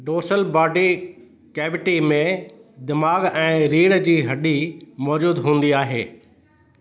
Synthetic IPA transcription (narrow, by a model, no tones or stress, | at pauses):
ɖoːsəlbaːɖi | kɛːbɪʈimẽd̪ɪmaːɡɛ̃ːɾiːɽd͡ʑiːɦɐɗimɔːd͡ʑuːd̪ɦũːn̆d̪iaːɦḛː